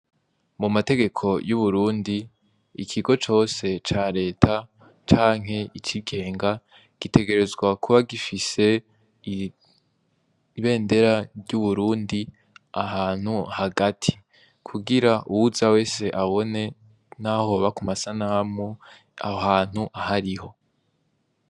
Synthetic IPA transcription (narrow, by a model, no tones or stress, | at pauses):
mumate̞ɡe̞kʰo̞juβuɾuːndi | ḭkʰiɡo̞t͡ʃo̞ːse̞t͡ʃaɾe̞ːtʰa | t͡ʃaːŋ̥ɦe̞it͡ʃiɡe̞ːŋɡa | ɡ̥ite̞ɡe̞ɾe̞zɡwakʰuβaɡifise̞ | βe̞ːnde̞ɾaɾɟuβuɾuːndi | aɦaːn̥huhaɡatʰi̥ | kʰuɡiɾaʔuwuzawe̞ːse̞ʔaβo̞ne̞ | naho̞βakumasanamŋu | a̰haːn̥huʔahaɾiho̞